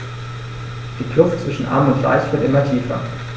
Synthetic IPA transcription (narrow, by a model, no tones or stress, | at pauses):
d̥iːklʊftt͡sv̥ɪʃn̩ʔa̰ɐmʊntv̥a̰ɪçv̥ɪɐtʔɪmɐtʰiːfɐ̰